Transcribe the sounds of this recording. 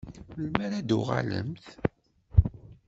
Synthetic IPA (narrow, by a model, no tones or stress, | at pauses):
lmæɾæd̪uʁa̰lə̰mθ